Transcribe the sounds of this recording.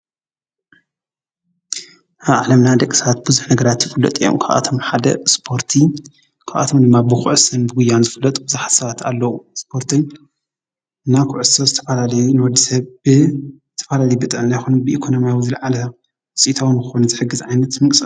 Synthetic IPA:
aβʕlɐmnad̪ɐkʼːisɐβat̪̚bɨzuħnɐɡɐɾat̪jɪfʼɨlːɐ̰t̪ʼijo̰mkʰaʔa̰t̪ʰo̞mħad̪ɐ̰spʰo̞ɾt̪ʰi | kʰaʔa̰t̪ʰo̞md̪ɨmːabɨxʕɨsɨnbɨɡʊjːanzɨfɨlːɐt̪ʼbɨzaħḁt̪sɐβat̪ʰa̰lːɐwuspʰo̞ɾt̪ʰi | ɨnːakʰʊʕɨsozɨt̪ʰɐfalalɐjunɨwɔd̪ːisɐβɨzɨt̪ʰːɐfalalɐjbɨt̪ʼɨʕnajxonɐnbɨʔikʰo̞no̞mijawizɨlʕalɐ | ɨsʼit̪ʰawunkɨxonuzɨħɨɡːɨzʕajnɐt̪mɨkʼsʼɨ

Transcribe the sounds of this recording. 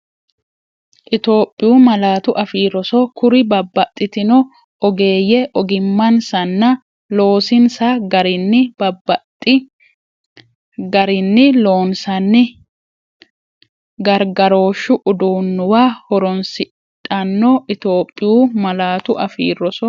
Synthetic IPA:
ʔɪt̪o̞ːpʼːɪjuːmɐlaːt̪ʊʔɐfiːɾːɔsɔkʊɾɪbɐbːɐt̪ʼːɪt̪ɪnɔ | ɔɡe̞ːjɛʔɔɡɪmːɐnsɐnːɐ | lo̞ːsɪnsaɡɐɾɪnːɪbɐbɐtʼːɪ | ɡɐɾɪnːɪlo̞ːnsɐnːɪ | ɡɐɾɡɐɾo̞ːʃːʊʔʊd̪uːnːʊwaːhɔɾɔnsɪ | t̪ʼːɐnːɔʔɪt̪o̞ːpʼːɪjuːmɐlaːt̪ʊʔɐfḭːrːɔsɔ

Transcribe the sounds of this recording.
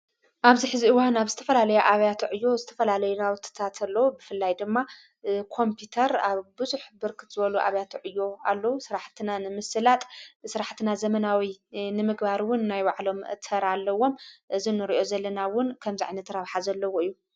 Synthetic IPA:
ʔaβziħɨziɨwanaβzɨt̪ʰɐfɐlalɐjaʔaβjat̪ʰʕɨjːo̞zɨt̪ʰɐfɐlalɐjunawɨt̪ʰɨ̥t̪ʰat̪ʰalːɐwubɨfɨlːajd̪ɨmːa | kʰo̞mpʰut̪ʰɐɾaβbɨzuħbɨɾkʰɨt̪z̥ɨβɐluʔa̰βjat̪ʰʕɨjːo̞alːɐwusɨɾaħt̪ʰɨnanɨmɨsɨlat̪ʼsɨɾaħt̪ʰɨnazɐmɐnawinɨmɨɡbaɾwʊnːajwaʕlo̞mɨʔɨt̪ʰɐɾalːɐwo̞mʔɨzinɨɾiʔo̞zɐlːɐnawʊnkʰɐmzaʕajnɐt̪ʰɾaβħazɐlːɐwo̞ɨjːu

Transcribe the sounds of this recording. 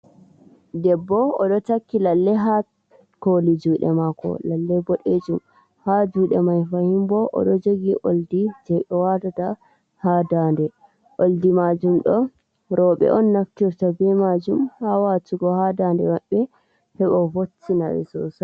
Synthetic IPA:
dɛbːɔɔɗɔtakːilalːɛɦa | kolid͡ʒuːɗɛ̰makɔ̰lalːɛbɔɗed͡ʒum | had͡ʒuɗɛmajfahimbɔʔɔ̰ɗɔd͡ʒoɡiʔoldid͡ʒɛɓɛwadata | hadandɛ | ʔoldimad͡ʒumɗɔ | ɾɔɓɛ̰ʔɔnːaftiɾtabɛmad͡ʒumhawatuɡɔhadandɛ̰waɓːɛ | hɛɓɔfotːina̰ɾɛ̰sɔ̰sa

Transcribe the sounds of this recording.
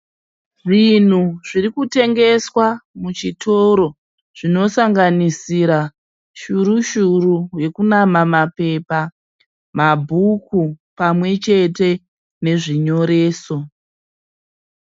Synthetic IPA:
ʐin̤uʐiɾikute̞ŋɡe̞swamut͡ʃitʰo̞ɾo̞ | ʐ̥ino̞saŋɡanisiɾa | ʃuɾuʃuɾuje̞kunamamape̞pa | mabʱukupamwe̞t͡ʃe̞te̞ | ne̞ʐiɲo̞ɾe̞ːso̞

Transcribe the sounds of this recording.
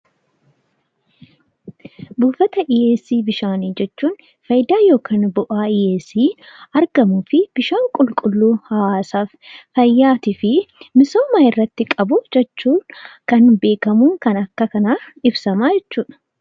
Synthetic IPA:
buːfɐt̪ɐʔɪjeːsːiːbɪʃaːniːd͡ʒɛt͡ʃːuːn | fɐjɪd̪aːjo̞ːkʰaːnbʊʔaːɪjeːsiːɐɾɡɐmuːfɪb̥ɪʃaːŋkʼʊlkʼʊlːuːhawaːsaːffɐjːaːt̪ɪfɪmɪsoːmaːɪrːɐt̪ːɪkʼɐbʊd͡ʒɛt͡ʃːuːkɐnbe̞ːkɐmuːŋkɐnɐkːɐkɐnaːɪbsɐmaːd͡ʒɛt͡ʃːuːᶑɐ̥

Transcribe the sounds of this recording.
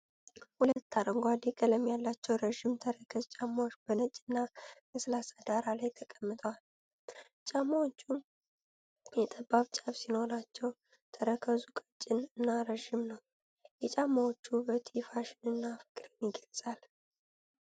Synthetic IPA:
hulət̪ːaɾəŋɡʷad̪ikʼələmjalːat͡ʃːɛwɾəʒɪmt̪ʰəɾəkʰəzt͡ʃʼamːawot͡ʃːbənət͡ʃʼːɪnːaməsɨlasad̪aɾalajt̪ʰəkʼəmːɨt̪ʼəwal | t͡ʃʼamːawot͡ʃːu | jɛt̪ʼəbaβt͡ʃʼaβsino̞ɾat͡ʃːɛw | t̪ʰəɾəkʰəzukʼət͡ʃʼːɪnɨnːaɾəʒɪmnəw | jɛt͡ʃʼamːawot͡ʃːubət̪ʰifaʃɪnɨnːafɨ̥kʼɾɨnjɪɡəlsʼal

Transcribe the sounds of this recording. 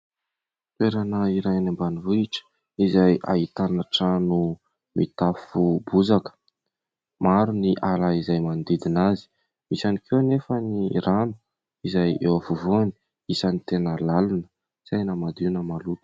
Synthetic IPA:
t̪weɾanəiɾajnambanivuiʈ͡ʂə̥ | izaja̰ɦit̪anaʈ͡ʂanu | mḭt̪afubuzakə̥ | maɾuniʔalaizajmand̪id̪inazi̥ | misanikʰewnefəniɾanu̥ | izajewavuvuani̥ | isanit̪enəlalunə̥ | sajnamad̪iunəmalut̪ə̥

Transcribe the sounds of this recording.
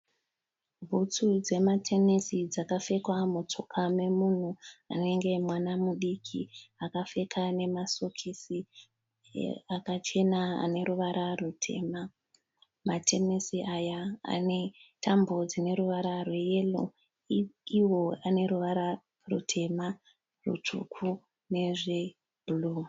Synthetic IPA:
bʱut͡sud͡ze̞matʰe̞nesid͡zakafe̞kwamut͡sokʰame̞mun̤ua̰ne̞ŋɡe̞mwanamuɗikʰḭakafe̞kʰane̞masokʰisi | akat͡ʃe̞naa̰ne̞ɾuʋaɾʔarutʰe̞̰ma | matʰe̞misiʔajaa̰ne̞tʰambo̞d͡zine̞ɾuʋaɾarwe̞jelo̰ | iwo̞ane̞ɾuʋaɾa | rṵtʰe̞ma | rṵt͡ʂṵkʰu | ne̞ʐe̞ | buluː

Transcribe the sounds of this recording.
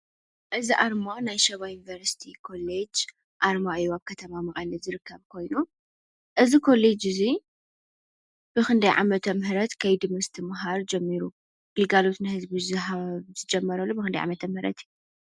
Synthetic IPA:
ʔɨziʔaɾmanajʃɐβajunivɐɾsi̥t̪ʰikʰo̞led͡ʒ | ʔaɾmaʔɨjːuaβkʰɐt̪ʰɐmamɐχʼɐlɐzɨɾɨkʰːɐβkʰo̞jnu | ʔɨzikʰo̞led͡ʒɨzi | b̥ɨxɨnd̪ɐjʕa̰mɐt̪ʰɐmɦɨɾɐt̪kʰɐjd̪ɨmɐst̪ʰɨmɨɦaɾd͡ʒɛmːiɾu | ɡ̥ɨlɡalo̞t̪nɨhɨzbizɨɦaβzɨd͡ʒɐmːɐɾɐlːubɨkɨnd̪ajʕa̰mɐt̪ʰɐmhɨɾɐ̰t̪ij

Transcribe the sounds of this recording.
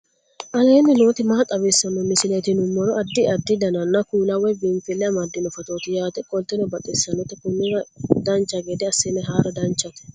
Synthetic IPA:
ʔɐleːnːɪnoːt̪ɪmɐɐt̪ʼɐβɛsːɐnːɔmɪsɪlet̪ɪnʊmːɔɾɔɐd̪ːɪʔɐd̪ːɪd̪ɐnɐnːɐkuːlɐwɛbɪnfɪlːɛɐmɐd̪ːɪnɔfɐt̪oːt̪ɪjaːt̪ɛkʼɔlt̪ɛnɔbɐt̪ʼɛsːɐnɔt̪ːɛkʊnːɪɾɐd̪ɐnt͡ʃːɐɡɛd̪ɛɐsːenɛɦaːɾɐd̪ɐnt͡ʃːɐt̪ʊ̥

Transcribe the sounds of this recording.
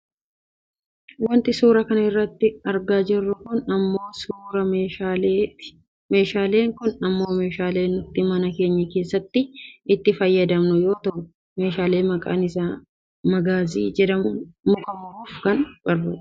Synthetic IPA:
wɐnt̪ɪsuːɾɐkɐnɐɪrːɐt̪ːɪɐɾɡaːd͡ʒɪrːʊkʊnɐmːo̞ːsuːɾɐ | meːʃaːle̞ːŋkʊnɐmːo̞ːme̞ːʃaːle̞ːnʊt̪ːɪmɐnɐke̞ːɲːɐke̞ːsːɐt̪ːɪɪt̪ːɪfɐjːɐd̪ɐmnʊjo̞ːt̪ɐʔʊ | me̞ːʃaːle̞ːmɐkʼa̰ːnɪsaː | mɐɡaːziːd͡ʒɛd̪ɐmʊmʊkʼɐmʊɾuːfkɐnbɐrːʊ

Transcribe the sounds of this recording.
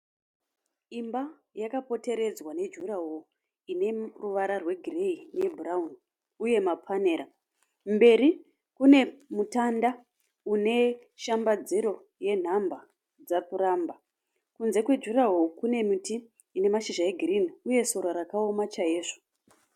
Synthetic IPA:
imba | jakapo̞te̞ɾe̞d͡zwane̞d͡ʒuɾaɦo | ine̞ruʋaɾarwe̞ɡʱire̞ine̞bʱuraun | uje̞mapʰane̞ːɾa | mbe̞ɾi | kune̞mutanda | une̞ | ʃambad͡ziɾo̞ | je̞n̤amba | d͡zakuramba | kunze̞kwe̞d͡ʒuɾaɦokune̞mitiː | ne̞maʃiʒaeɡʱiriniuje̞so̞ɾaɾakao̞mat͡ʃajeːʐo̥

